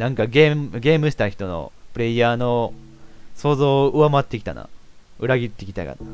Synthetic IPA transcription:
nãŋkaɡemɡʲe̞ːmɯ̟ɕi̥t̪açʲi̥t̪o̞no̰pɯ̟ɾe̞iaːno̞ | so̞ːzo̞ːɯ̟βamat̪ːekʲi̥t̪a̰na̰ | ɯ̟ɾaɡʲit̪ːe̞kʲi̥t̪a̰ka̰na

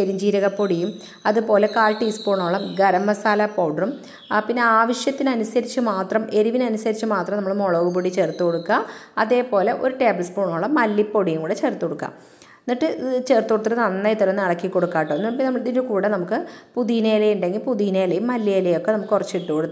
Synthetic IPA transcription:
eɾiɲd͡ʑiːɾɐɣɐpːo̞ɽijum | ɐðɨpo̞ːle̞kaːlʈːiːspoːɳoːɭːɐmɡɐɾɐmːɐsaːlɐpowɽɐrum | pinːe̞aːʋɐʂjɐt̪ːinɐnusɐɾit͡ɕːumaːt̪rɐme̞ɾuʋinɐnusɐɾit͡ɕːumaːt̪rɐmnɐmːɐɭmoɭoːɣupoɽit͡ɕe̞ːrt̪ːukoɽukːaɐðe̞ːpo̞ːle̞ʔo̞ɾuʈe̞ːblɐspoːɳoːɭːɐmːɐlːipːo̞ɽijumɡuːɽet͡ɕe̞ːrt̪ːkoɽukːa̰ːm | nːiʈːɨt͡ɕe̞rt̪ːukoɽut̪ːɐrɨnɐnːɐjt̪ːɐɾɐnːɨɐɽɐkːikːo̞ɽukːaːʈːonːupnɐmðindukuːɽenɐmukːɨpuðiːneːlɐjuɳɖe̞ŋɡilpuðiːneːlɐjumːɐlːijlɐjo̞kːe̞nɐmukːɨkːurɐt͡ɕːiʈːukoɽut̪ː

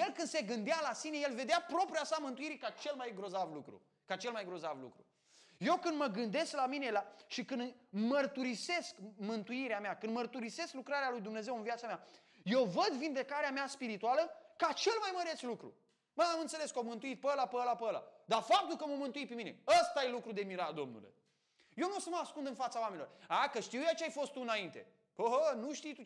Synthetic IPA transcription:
je̞lkɨnd̪se̞ɡɨnd̪ealasine̞je̞lve̞d̪eapɾo̞pɾiasamɨnt̪uiɾikat͡ʃe̞lmajɡɾo̞zavlukɾṵ | kat͡ʃe̞lmajɡɾo̞zavlṵkɾṵ | je̞wkɨnd̪məɡɨnd̪e̞sklaminelaʃikɨnmərt̪uɾise̞skmɨnt̪uiɾeameakɨnd̪mərt̪uɾise̞sklukɾaɾealujd̪umne̞ze̞wɨnviat̪samʲa | je̞wvəd̪vind̪e̞kaɾeameaspiɾit̪ualəkat͡ʃe̞lmajməɾe̞t̪slukɾṵ | məamɨnt̪se̞le̞skəomɨnt̪uit̪̚pəlapəlapəla̰d̪afap̚t̪ulkəmomɨnt̪uit̪̚pe̞mine̞̰əst̪aje̞lukɾud̪e̞miɾad̪o̞̰mnṵlḛ | jewnosəməaskund̪ɨnfat̪sawamenilorakəʃt̪iwjat͡ʃeajfo̞st̪uɨnaint̪e̞ | əɦənuʃt̪ijt̪u

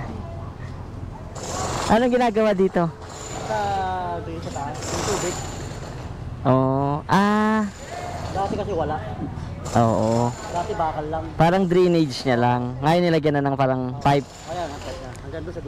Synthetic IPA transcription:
ʔɐnoŋɡɪnaːɡɐwaːd̪iːt̪o̞ | sɐɡɪt͡ʃɐsanɐŋt̪uːbɪɡ̪̚ | ʔoːʔʔaː | d̪aːt̪ɛkɐsɛwɐlaʔ | ʔoːʔo | d̪aːt̪ɛbaːkɐlːɐŋpaːɾɐŋd̪ɾiːned͡ʒd͡ʒɲɐlaŋːajonːɪlaɡɐnɐnɐŋpaːɾɐŋpajp̚ʔɐjanɐpɛaɐŋɡɐnd̪osɐ

